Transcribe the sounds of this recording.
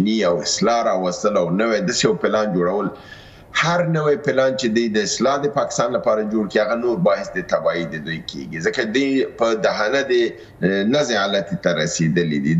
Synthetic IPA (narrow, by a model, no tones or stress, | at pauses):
niawɪslɑɾɑwast̪əlawnəwad̪asejawpɪlɑnd͡ʒoɽawəl | haɾnəwajpɪlɑnt͡ʃed̪ujd̪əɪslɑd̪əpɑkɪ̥st̪ɑnlapɑɾad͡ʒoɽkihaɣanoɾbɑhɪsd̪ət̪abɑid̪əd̪ujkʰḛɡizəkad̪ujpəd̪aɦanad̪ə | nazealat̪it̪aɾased̪əlid̪i